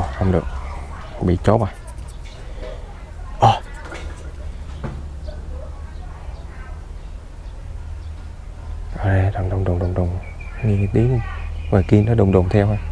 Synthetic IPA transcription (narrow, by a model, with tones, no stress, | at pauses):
xə˧wŋ͡mɗɨ˨˩ək̚ | ɓḭ˧˨t͡ɕo˨˦ɓa˨˩j | ʔɔ˧˩ | ʔaː˨˩ɗe˧za˨˩ŋ͡mɗʊ˨˩wŋ͡mɗʊ˨˩ŋ͡mɗʊ˨˩ŋ͡mɗʊ˨˩ŋ͡mɲɨ˧kːt̪i˨˦ən˨˧vaː˨˩ki˧nːɔ˨˦ɗʊ˨˩ŋ͡mɗʊ˨˩ŋ͡mt̪ʰɛ˧wha˧